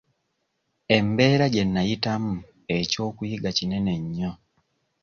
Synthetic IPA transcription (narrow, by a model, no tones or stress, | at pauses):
e̞mbe̞ːɾaɟe̞nːajitamu | e̞co̞ːkujiɡacine̞ne̞ɲːo